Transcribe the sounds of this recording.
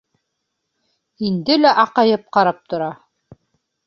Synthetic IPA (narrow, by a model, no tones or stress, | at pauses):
ind̪ɘlæʔɑqɑjɤp̚qɑɾɑp̚t̪ŏɾɑ